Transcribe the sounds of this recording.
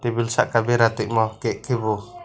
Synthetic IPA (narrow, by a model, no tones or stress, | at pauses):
t̪ibilsa̰ʔkabiɾat̪iʔmɔkɛʔkʰibu